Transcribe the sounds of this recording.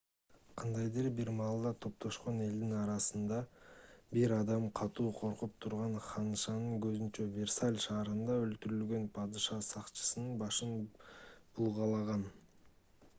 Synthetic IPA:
qʰɑnd̪ɑjd̪eɾbiɾmɑːlˠd̪ɑt̪ʰo̞p̚t̪ʰo̞ʃqo̞ne̞ld̪inɑɾɑsɯnd̪ɑbiɾɑd̪ɑmqʰɑt̪uːqʰo̞ɾqup̚t̪ʰuɾʁɑɴχɑnɯʃɑnɯŋkøzynt͡ʃøvʲersalʲʃɑːɾɯnd̪ɑølt̪yɾylɡø̞npʰɑd̪ɨʃɑsɑqt͡ʃɯ̥sɯnɯnbɑʃɯn | b̥ulˠʁɑlˠɑʁɑn

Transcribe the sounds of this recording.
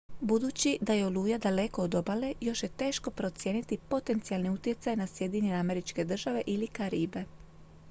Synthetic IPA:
bud̪uːt͡ɕid̪ajeoluːjad̪ale̞ko̞od̪o̞bale̞jo̞ʃjet̪e̞ːʃko̞pɾo̞t̪sje̞ːnit̪ipo̞t̪e̞nt̪sialniut̪je̞t̪sajnasje̞d̪iɲeneame̞ɾit͡ʃke̞d̪r̩ʒaʋe̞ʔilikaɾiːbe̞

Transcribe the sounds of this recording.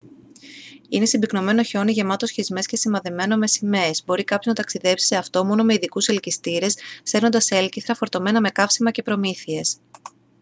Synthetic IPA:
ine̞sibikno̞me̞no̞ço̞niʝe̞mɐt̪osçizme̞sce̞simɐðeme̞no̞me̞sime̞zbo̞ɾikɐpçoznɐt̪ɐksiðe̞psi̥se̞ɐft̪o̞mo̞no̞me̞iðikuse̞lcist̪iɾe̞sθe̞ɾnond̪ɐse̞lciθɾɐfo̞ɾt̪o̞me̞nɐme̞kɐfsimɐce̞pɾo̞miθie̞s

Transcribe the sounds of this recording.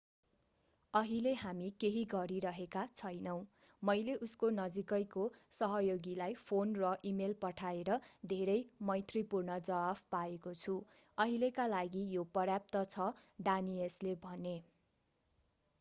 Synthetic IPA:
ʌɦileɦamikeɦiɡʌɾiɾʌɦekat͡sʰʌjnʌw̃ | mʌjleʔuskonʌd͡zikʌjkosʌɦʌjoɡilajpʰonrʌʔimelpʌʈʰaeɾʌd̪ʱeɾʌjmʌjt̪ripurnʌd͡zʌabʰpaekot͡sʰu | ʌɦilekalaɡijopʌrjap̚t̪ʌt͡sʰʌɖanieslebʱʌne

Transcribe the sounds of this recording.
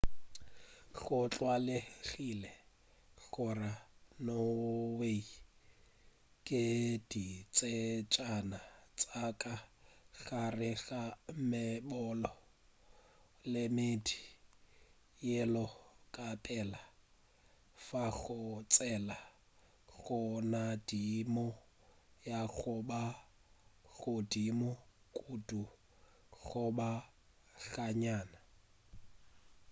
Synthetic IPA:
ɣʊt͡ɬʼwalɪɣilɛ | ɣʊranowei | kʼɪd̥it͡sʼet͡ʃʼanat͡sʼakʼaɣarɪɣamɪbɔlɔ | lɪmedi | jɛlɔkʼapʼɛla | faɣʊt͡sʼɛla | ɣɔnadimɔ | jaɣʊba | ɣʊdimɔ | kʼudu | ɣʊba | ɣaɲaːna

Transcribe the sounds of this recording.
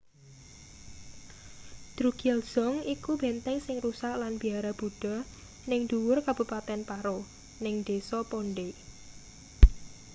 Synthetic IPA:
d̪̥ɾuɡ̥ɛlz̥ɔŋikub̥ent̪ɛŋsɪŋrusaʔlanb̥i̤aɾab̥ṳɖ̥ɔ̤ | nɪŋd̪̥uwʊrkab̥ṳpat̪ɛnpaɾo | nɪŋd̪̥esɔpoɳɖe

